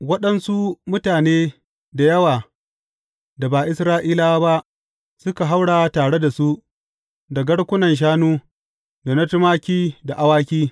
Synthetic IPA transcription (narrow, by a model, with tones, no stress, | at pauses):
wɐ˦ɗɐ˦nsu˦mʊ˦taː˨neː˦ | da˨jɐ˦waː˨ | da˨baː˨ʔɪ˦sɾaː˦ʔiː˦la˦wa˦ba˦ʔ | sʊ˦ka˨ɦa˦wɽaː˨˦taː˨ɽe˦da˨su˦ʔ | da˨ɡɐ˦ɽkʷʊ˦nɐ˨nʃ̬aː˦nuː˦ | da˨nɐ˦tʊ˦maː˦kʲiː˦da˨ʔa˦waː˦kʲiː˦